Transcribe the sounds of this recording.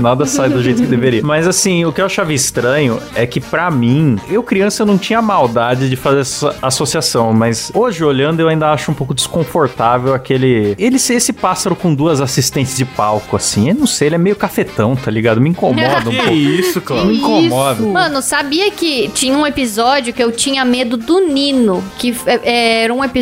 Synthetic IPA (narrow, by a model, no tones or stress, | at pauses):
nad̪ɐsajd̪ʊʒejt̪ʊkɪd̪eveɾiɐmɐzasĩʊkɪewaʃavɪist̪ɾɐ̃ɲʊɛkɪpɾɐmĩewkɾiɐ̃sɐnɐ̃w̃t͡ʃĩɲɐmawd̪ad͡ʒɪd͡ʒɪfazeɾɛsɐasosiasɐ̃w̃mɐzoʒɪoʎɐ̃nd̪ʊewaĩnd̪ɐaʃʊũpowkʊd͡ʒɪ̥skõfoɾt̪avewakelɪelɪsesɪpasaɾʊkõd̪uɐzasist̪ẽnt͡ʃɪzd͡ʒɪpawkʊasĩewnɐ̃w̃sejelɛmejʊkafet̪ɐ̃w̃t̪aliɡad̪ʊmɪĩkomɔd̪ɐisʊklamĩkomɔd̪ɐmɐ̃nʊsabiɐkɪt͡ʃĩɲɐũepizɔd͡ʒjʊkɪewt͡ʃĩɲɐmed̪ʊd̪ʊnĩnʊkɪɛʔɛɛɾɐũepi